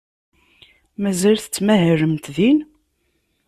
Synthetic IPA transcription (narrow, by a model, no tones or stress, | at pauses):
mæzælθə̥t͡sːmæɦɾəmt̪ðin